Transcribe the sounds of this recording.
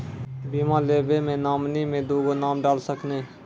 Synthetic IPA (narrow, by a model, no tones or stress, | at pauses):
biːmãːleːbemẽnaːmnimẽd̪oːɡonaːmɖaːlsəknẽː